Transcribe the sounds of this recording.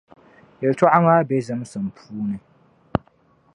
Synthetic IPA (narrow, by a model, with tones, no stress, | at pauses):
jɛ˨ltɔ˦ʔa˦ŋaː˦bɛ˦zɨ˦m˦sɨ˨m˨pʰuː˦nɨ˦